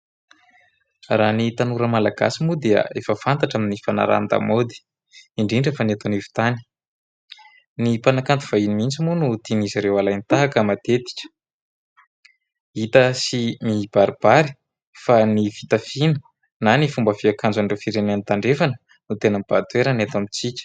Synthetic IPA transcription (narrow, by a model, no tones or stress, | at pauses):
ranit̪anuɾəmalaɡa̰simud̪eə̰efəfant̪aʈ͡ʂamnifana̰ɾa̰nd̪a̰mod̪i̥ | iɳɖ͡ʐiɳɖ͡ʐefaniat̪onivu̥t̪ani̥ | nipanakant̪u̥v̥ainimint͡simunut̪inizaɾewalajnit̪aɦakəmat̪et̪i̥kʲə̥ | it̪əsimib̥aɾib̥aɾi̥ | fanifit̪afinə̥ | nanifumbəviakand͡zaɳɖ͡ʐefiɾenant̪aɳɖ͡ʐefanə | nut̪enəmb̥at̪ueɾanet̪amit͡sikʲ